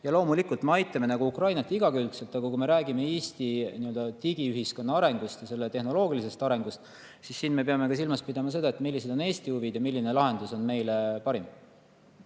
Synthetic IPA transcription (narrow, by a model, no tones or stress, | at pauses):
jɑlo̞ːmulikːˑult̪meɑjt̪ːˑɑme̞nɑɡ̥uukrɑjnɑt̪ːˑiɡɑkylt̪selt̪ːˑɑɡ̥ɑkume̞ɾæːɡime̞iːst̪iniø̞ld̪ɑt̪iɡ̥iyɦisko̞nːɑɑɾe̞ŋɡ̥ust̪jɑse̞lːet̪e̞hno̞lo̞ːɡilise̞st̪ɑɾe̞ŋɡ̥ust̪ | sisːiːnme̞peɑme̞kɑs̬ilmɑspid̪̥ɑmɑs̬e̞d̪ɑet̪milːise̞d̪o̞ne̞ːst̪iuvid̪jɑmilːine̞lɑɦe̞nd̪̥uso̞nme̞jlepɑɾim